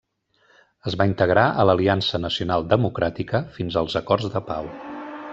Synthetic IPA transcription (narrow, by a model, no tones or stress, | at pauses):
əzβaint̪əɣɾaʔələliansənəsiunalˠd̪əmukɾat̪ikəfinzəlˠzəkɔrzd̪əpaw